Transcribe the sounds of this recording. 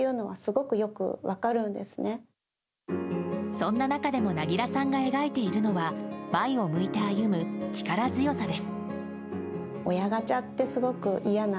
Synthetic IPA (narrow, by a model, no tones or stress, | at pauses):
jɯ̟ːno̞βasɨɡo̞kɯ̟jo̞kɯ̟̰βakaɾɯ̟̃nd̪e̞sɨ̥ne̞ | sõ̞nːanakad̪e̞mo̞naɡʲiɾasãŋɡae̞ɡait̪e̞iɾɯ̟no̞βamaio̞mɯ̟it̪e̞ajɯ̟mɯ̟t͡ɕi̥kaɾazɨjo̞sad̪e̞sɨ̥ | o̞jaɡat͡ɕat̪ːe̞sɨɡo̞kɯ̟ʔijana